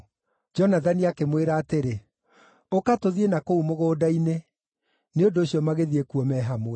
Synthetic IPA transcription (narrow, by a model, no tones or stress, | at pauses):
d͡ʒɔnaðaniakemweɾaːteɾe | okatoðienakoumoɣoːdaine | neondoːɕiɔmaɣeðiekuɔmɛːɦamoɛ